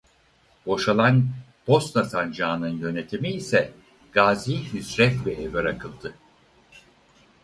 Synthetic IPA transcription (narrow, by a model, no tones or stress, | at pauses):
bo̞ʃalˠan | b̥o̞st̪nasand͡ʒaːnɯnjø̞ne̞t̪ʰimiːsɛ | ɡ̥aːziːhysɾɛt̪bɛːvɛɾakʰɯlˠd̪ɯ